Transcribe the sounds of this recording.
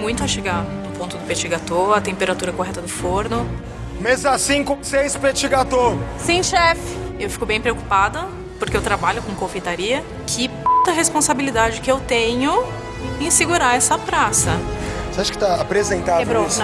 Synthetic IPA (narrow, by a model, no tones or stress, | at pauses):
mũj̃t̪ʊɐʃeɡa | ʊpõt̪ʊd̪ʊpet͡ʃiɡat̪oɾɐt̪ẽmpeɾat̪uɾɐkoɦɛt̪ɐd̪ʊfoɾnʊ | mezasĩkõsejspet͡ʃiɡat̪oɾsẽj̃ʃɛfɪ̥ewfi̥kʊbẽj̃pɾeoku̥pad̪ɐ | poɾkeewt̪ɾabaʎʊkõkõfejt̪aɾiɐ | kʰɪpõt̪ɐɦespõsabilid̪ad͡ʒɪkɪewt̪ẽɲʊ | ẽsɪɡuɾaɛsɐpɾasɐseaʃʊ̥kɪt̪aapɾezẽnt̪abɾoz